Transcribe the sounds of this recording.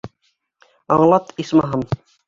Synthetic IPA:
ɑɴlˠɑt̪ismɑɦɤm

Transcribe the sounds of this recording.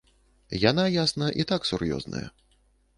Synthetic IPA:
janajasnɐʔit̪aksurjɔ̰znɐ̰jɐ̰

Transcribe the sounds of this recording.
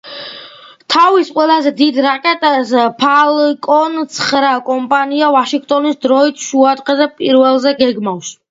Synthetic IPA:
t̪ʰavisqʼwɛlazɛd̪id̪ɾakʼɛt̪ʼɛspʰalkʼɔnt̪sʰχɾakʼɔmpʼaniavaʃiŋɡt̪ʼɔnisd̪ɾɔit̪ʰʃuad̪qʼɛzɛpʼiɾvɛlˠzɛɡɛɡmaws

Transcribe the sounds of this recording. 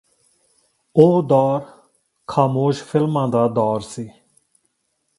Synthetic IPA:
oːd̪ɔːɾ | kʰaːmoːʃfʰɪlmãːd̪aːd̪ɔːɾsiː

